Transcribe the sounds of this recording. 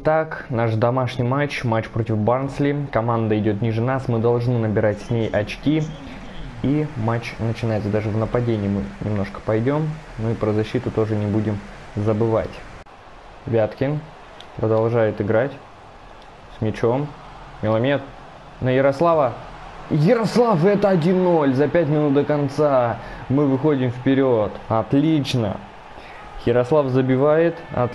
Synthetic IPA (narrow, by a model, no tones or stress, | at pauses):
t̪aknaʂd̪ɐmaʂnʲɪjmat͡ɕmat͡ɕːpɾo̞tʲɪfbarnslʲikɐmand̪əɪdʲo̞t̪̬nʲiʐɨnasmɨd̪ɐlˠʐnɨnəbʲɪɾatʲsʲnʲejʔɐt͡ɕkʲi | imat͡ɕnət͡ɕɪnajɪt̪səd̪aʐɨvnəpɐdʲenʲɪjːmɨnʲɪmno̞ʂkə̥pɐjdʲo̞mnoipɾəzɐɕːit̪ʊt̪o̞ʐɨnʲɪbudʲɪmzəbɨva̰tʲ | vʲat̪kʲɪn | pɾəd̪ɐlˠʐajɪt̪ɨɡɾatʲ | smʲɪt͡ɕo̞m | mʲɪlˠɐmʲet̪ | nəjɪɾɐslˠavə | jɪɾɐslˠafɛt̪əɐdʲinːo̞lʲzɐpʲætʲmʲɪnut̪̚d̪əkɐnt̪samɨvɨxo̞dʲɪmfpʲɪɾʲot̪ɐt̪lʲit͡ɕnə̰ | jɪɾɐslˠafzəbʲɪvajɪt̪ɐ̰t̪